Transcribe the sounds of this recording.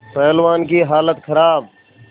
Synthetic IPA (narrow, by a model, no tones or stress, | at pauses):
pɛɦlʋaːnkiɦaːlət̪kʰəɾaːb̚